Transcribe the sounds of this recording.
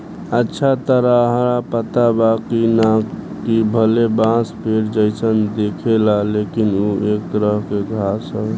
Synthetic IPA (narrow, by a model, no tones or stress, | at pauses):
ətːʃʰat̪əɾaɦɾapət̪abakina | kibʱəlebãspʰeɾd͡ʒəɪsʰənd̪ekʰelalekinuek̪̚ɾəɦkeɡʱasəɦ